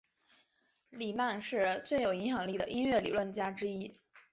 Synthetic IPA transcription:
li˨˩ma˥˧nʂɻ̩˥˧t͡swe˥˩ɪjo˨˩ʊi˧˥nxjɑ˨˩ŋli˥˩d̪ə˩ʔi˥nɥɛ˥˩lḭ˨˩lwə˥˩nt͡ɕja˥ʈ͡ʂɻ̩˥i˥

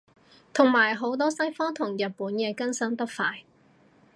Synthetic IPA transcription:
t̪ʰʊ˨˩ŋmaː˨˩jɦo˨˥wt̪̬ɔː˥sɐ˥jfɔː˥ŋt̪ʰʊ˨˩ŋjɐ˨t̚puː˨˥njɛː˧kɐ˥nsɐ˥nt̪ɐ˥k̚faː˧j

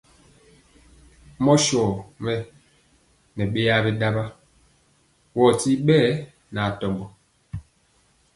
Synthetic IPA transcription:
mɔ˦ʃɔ˨mɛ˦ | nɛ˨ɓe˦ja˦bɛ˦da˦ba˦ | wɔ˨ti˦ɓɛː˦˨ | na˨tɔ˨mbɔ˨

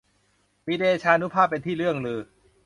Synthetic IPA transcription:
miː˦˥deː˧t͡ɕʰaː˧ʔa˧nu˦˥pʰaː˥˩pːe˧nt̪ʰiː˥˩ɾɯ˥˩əŋlɯː˧

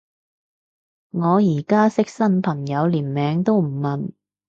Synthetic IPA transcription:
ŋɔː˨˧jiː˨˩kaː˥sɪ˥k̚sɐ˥npʰɐ˨˩ŋjɐ˨˧wliː˨˩nmɛː˨˧˥ŋt̪o˥wm̩˨˩mɐ˨n

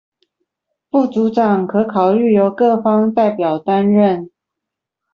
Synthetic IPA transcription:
fu˥˩t͡su˨˥ʈ͡ʂɑ˨˩ŋkʰɤ˨˧˥kʰɑ˨˩ʊy˥˩jo˧˥ʊkɤ˥˨fɑ˥ŋt̪a˥˩ɪpjɑ˨˩ʊt̪a˦nɻə˥˨n

